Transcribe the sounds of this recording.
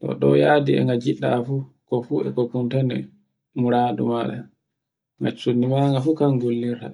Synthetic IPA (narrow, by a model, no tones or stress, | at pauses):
tɔ̰ɗɔjaːdiɛ̰ŋɡad͡ʒiɗːafu | kɔfuɛ̰kɔkuntanɛ̰ | muɾaːdṵmaɗɛ̰ | ŋɡat͡ʃːunːimaŋɡafukaŋɡolːiɾta̰